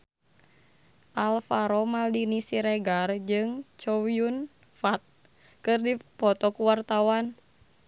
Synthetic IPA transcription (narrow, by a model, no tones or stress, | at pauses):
ʔalfaɾɔmaldinisiɾɛɡard͡ʒɨŋt͡ʃɔwiun | fat̪̚ | kɨrdipɔt̪ɔkuwart̪awan